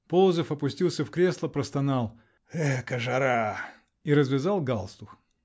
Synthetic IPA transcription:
polˠzəfɐpʊsʲtʲilˠsʲəfkɾʲe̞slˠəpɾəst̪ɐnɑlˠ | ɛkəʐɐɾa | iɾəzvʲɪzalˠɡalˠst̪ʊx

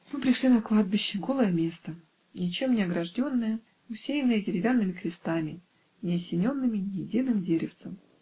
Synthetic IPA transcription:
mɨpɾʲɪʂlʲinɐklˠad̪̚bʲɪɕːɪɡo̞lˠəjəmʲe̞st̪ə | nʲɪt͡ɕe̞mnʲɪɐɡɾɐʐdʲo̞nːəjə | ʊsʲejɪnːɨjədʲɪɾʲɪvʲanːɨmʲɪkɾʲɪst̪amʲɪ | nʲɪɐsʲɪnʲo̞nːɨmʲɪnʲɪjɪdʲinɨmdʲeɾʲɪft̪səm

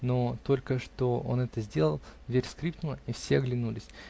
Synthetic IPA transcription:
no̞t̪o̞lʲkəʂt̪o̞o̞̰nɛt̪əzʲdʲe̞lˠəlˠvʲeɾʲskɾʲip̚t̪əməifsʲeɐɡlʲɪnulʲɪsʲ

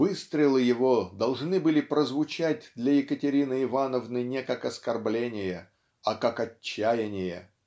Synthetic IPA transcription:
vɨst̪ɾʲɪlˠɨjɪvod̪ɐlˠʐnɨbɨlʲɪpɾəzvʊt͡ɕæt̚ʲd̪lʲɐjɪkətʲɪɾʲinɨɪvanəvnɨnʲekakɐskɐrblʲenʲɪjə | ɐkakɐt͡ɕːæjɪnʲɪjə̰

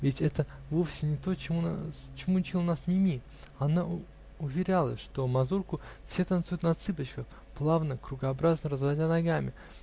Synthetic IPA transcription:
vʲɪtʲɛt̪əvofsʲɪnʲɪt̪o̞t͡ɕɪmun̰t͡ɕɪmut͡ɕilˠənasnʲɪmʲi | ɐna | ʊvʲɪɾʲalˠəʂt̪o̞mɐzurkʊfsʲe̞t̪ɐnt̪sujʊt̪nɐt̪sɨbət͡ɕkəx | plˠavnəkɾʊɡəɐbɾaznəɾəzvɐdʲanɐɡamʲɪ

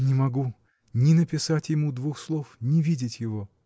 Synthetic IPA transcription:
nʲɪmɐɡu | nʲɪnəpʲɪsatʲjɪmud̪vuxslˠofnʲɪvʲidʲɪtʲjɪvo̞

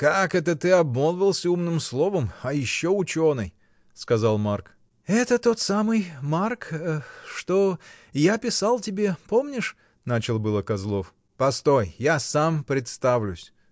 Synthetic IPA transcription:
kakɛt̪ət̪ɨɐbmolˠvʲɪlˠsʲumnɨmslˠo̞vəmɐjɪɕːoʊt͡ɕo̞nɨj | skɐzalˠmark | ɛt̪ət̪o̞t̪samɨjmarkʂt̪o̞ | japʲɪsalˠtʲɪbʲe̞po̞mnʲɪʂ | nat͡ɕɪlˠbɨlˠəkɐzlˠo̞f | pɐst̪ojjasampɾʲɪt̪st̪avlʲʉsʲ

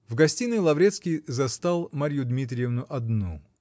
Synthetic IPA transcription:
vɡɐsʲtʲinɨjlˠɐvɾʲet̪skʲijzɐst̪alˠmaɾʲjud̪mʲit̪ɾʲɪjɪvnʊʔɐd̪nu

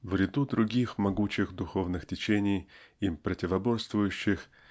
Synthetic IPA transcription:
vɾʲɪd̪ud̪ɾʊɡʲixmɐɡut͡ɕɪxd̪ʊxo̞vnɨxtʲɪt͡ɕenʲɪjipɾətʲɪvɐbo̞st̪vʊjʉɕːɪx

